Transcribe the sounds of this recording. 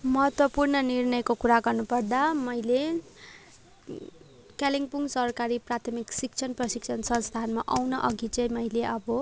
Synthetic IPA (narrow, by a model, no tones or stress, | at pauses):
mʌɦʌt̪wʌpurnʌnirnʌjkokuɾaɡʌrnupʌrd̪amʌjle | kaliŋpuŋsʌrkaɾiprat̪ʰʌmiksik̚t͡sʰʌnprʌsikt͡sʰʌnsʌnst̪ʰanmaʔawnʌʔʌɡit͡sʌjmʌileʔʌbʌ